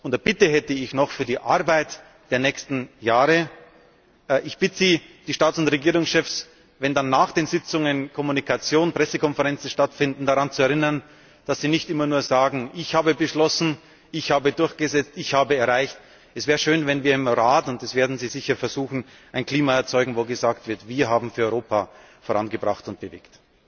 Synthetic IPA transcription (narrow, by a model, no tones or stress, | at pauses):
ʔʊntɛɐbɪtəɦɛtəɪçnɔχfyːɐdiːʔa̰ɐbaɪt | d̥eːɐnɛːçstn̩jaːʁə | ʔɪçb̥ɪtəziːd̥iːʃtaːt͡ssʊntʁeɡiːʁʊŋsʃɛfs | vɛndanːaːχd̥eːnzɪt͡sʊŋənkʰɔmunikʰat͡sjoːnpʁ̥ɛsəkɔnfəʁɛnt͡sn̩ʃtatfɪndn̩daʁant͡suɛɐʁɪnɐn | d̥asz̥iːnɪçtʔɪmɐnuːɐzaːɡŋ̩ʔɪçhaːbəbəʃlɔsn̩ | ʔɪçhaːbədʊɐçɡ̥əzɛt͡stɪçhaːbəɛɐʁaɪçt | ʔɛsv̥ɛːʁəʃøːnvɛnviːɐɪmʁaːtʊntɛsv̥eːɐdn̩ziːzɪçɐfɛɐzuːxn̩ | ʔaɪnkl̥iːmaɛɐt͡sɔʏɡŋ̩voːɡəzaːktv̥ɪɐtv̥iːɐɦaːbm̩fyːɐɔʏʁoːpa | foːʁa̰nɡəbʁaχtʊnt̚b̥əvḛːkt